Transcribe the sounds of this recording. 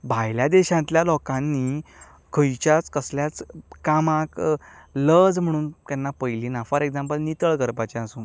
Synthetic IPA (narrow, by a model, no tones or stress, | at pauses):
bʱajljad̪ɛɕãnt̪ljalɔkãnːi | kʰəjt͡ɕjat͡skəsljat͡skamakləd͡zm̤əɽ̃uːnt̪ɛnːapəjliːnafaɾeɡd͡zãmpəlnit̪əɭkəɾpat͡ɕeasũː